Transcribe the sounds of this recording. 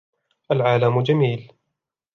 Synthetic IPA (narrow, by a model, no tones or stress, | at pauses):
ʔalʕaːlamʊd͡ʒamiːl